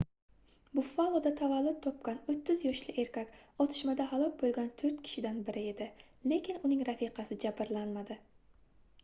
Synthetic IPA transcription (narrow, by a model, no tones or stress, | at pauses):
bʊfalˠod̪at̪ʰavalˠːʊt̪̚ʰːɒp̚kʲanot̪ʰːɪzjɒʃlɪʔe̞ɾkʲakʲɒt̪ʰɪ̥ʃmad̪aɦalˠɒk̚bolˠɡʲant̪ʰɵɾt̪̚kʲʰɪ̥ʃɪd̪anbɪɾɪe̞d̪ɪ | le̞kʲɪnʊnɪŋɾafiqʰɑsɪd͡ʒabɪɾlanmad̪ɪ